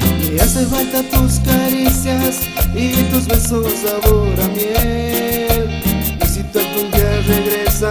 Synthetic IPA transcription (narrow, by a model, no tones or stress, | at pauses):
easefalt̪at̪uskaɾisjas | it̪us̬βesosaβoɾamje | l | isit̪akumbjareɣɾesa